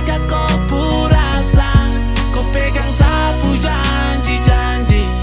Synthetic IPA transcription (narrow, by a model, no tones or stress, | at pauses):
kako | pu | ɾa | sa | kopɛɡaŋsa | bud͡ʒa | ɲd͡ʒid͡ʒa | ɲd͡ʒi